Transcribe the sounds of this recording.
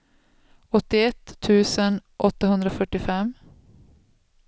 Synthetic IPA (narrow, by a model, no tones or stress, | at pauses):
ɔt̪ːɪɛt̪ʰːʉ̟ːsənʔɔt̪ːaɦɵnd̪ɾafœʈːɪfɛm